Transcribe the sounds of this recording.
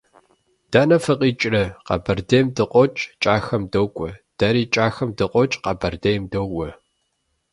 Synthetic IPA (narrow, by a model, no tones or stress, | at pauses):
d̥aːnɐfɨqʼiːt͡ʃʼrɐqɑ̰bɐrdejmdɨqʷʼɔt͡ʃʼt͡ʃʼaːxɐmdoːkʷʼɔd̥ɐɾiːt͡ʃʼaːxɐmdɨqʷʼɔt͡ʃʼqɑbɐrdejmdowʷʼɔ